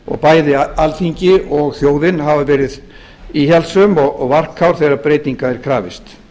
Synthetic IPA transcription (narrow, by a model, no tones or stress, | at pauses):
ɔ̰ɣpaːjðɪalθiɲcɪɔɣθjoːwðɪnɦavavɛːɾɪð | içɛlsʏmɔɣɔɣvar̥kʰːawɾ̥θeːɾapɾeːjt̪iŋkaɛɾ̥kʰɾaːvɪst̪